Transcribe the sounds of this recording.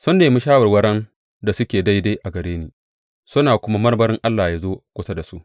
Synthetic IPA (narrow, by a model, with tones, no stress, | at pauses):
sʊ˦nːeː˨mʊ˦ʃaː˦wɐ˨rwɐ˦ɽɐ˦n | da˨sʊ˦kʲeː˨da˦jda˦ʔa˨ɡɐ˨ɾeː˦niː˨ | sʊ˦naː˨kʷʊ˦ma˦mɐ˦rbɐ˦ɾɪ˦ŋʔa˦lːaː˨ja˨zoː˦kʷʊ˦sa˦da˨su˦ʔ